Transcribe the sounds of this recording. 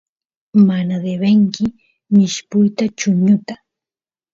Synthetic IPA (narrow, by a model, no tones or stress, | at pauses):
manad̪eβeŋkɪ | mɪʃpʊjt̪at͡ʃʊɲʊt̪ḁ